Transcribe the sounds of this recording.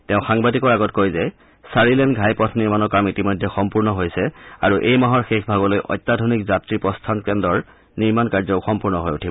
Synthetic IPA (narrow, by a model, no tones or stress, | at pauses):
teʊ̃xaŋbadikɔɹaɡɔtkojzɛ | saɹilɛnɡʱajpɔtʰniɹmanɔkamitimojdʱːɛxɔmpuɹnɔɦojsɛaɹuʔejmaɦɔɹxexʰbʱaɡɔlojʔɔ̰jtːadʱonikzatɹipɹɔstʰankɛndɔɹ | niɹmankaɹzɔxɔmpuɹnɔɦojutʰibɔ